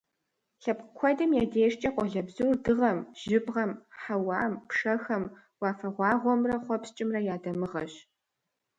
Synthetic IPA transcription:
ɬɐp̚qkʷʰɔdɐmjaːdeːʂt͡ʃʼɐqʷʼɔɮɐbzurdɨʁɐmʒ̥ɪbʁɐmħawɑːmpʰʂɐxɐm | wɑːfɐʁʷɑːʁʷɔmrɐχʷɔpst͡ʃʼɪmrɐjaːdɐmɨʁɐ̰ɕ

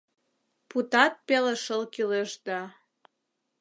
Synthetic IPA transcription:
put̪ɑt̪̚peleʃəlkileʒd̪ɑ

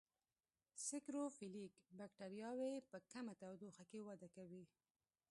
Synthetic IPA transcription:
sɪkɾofilikbakʈaɾijɑwepəkamat̪awd̪oxakewad̪akawi

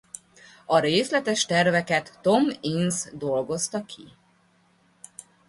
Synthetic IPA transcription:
ɒɾeːslɛt̪ɛʃt̪ɛrvɛkɛt̪ːo̞minzd̪o̞lɡo̞st̪ɒkʰi

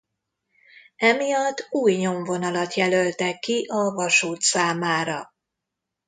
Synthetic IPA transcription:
ɛmijɒt̪ːuːjɲo̞ɱvo̞nɒlɒt̪jɛlølt̪ɛkːiʔɒvɒʃuːt̪saːmaːɾɒ

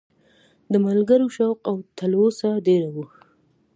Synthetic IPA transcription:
d̪əmalɡəɾoʃawqawt̪ʰalwosaɖeɾawu

